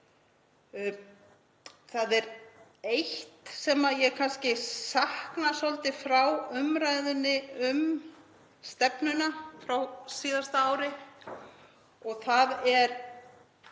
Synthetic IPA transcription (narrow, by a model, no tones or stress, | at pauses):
θaðɛɾ | ejht̪sɛmaðjɛɣkʰanscɪsahknasɔlt̪ɪfɾawʏmɾaːjðʏnːɪʏm | st̪ɛpnʏnafɾawsiːðast̪aaːwɾɪ | ɔɣθaðɛɾ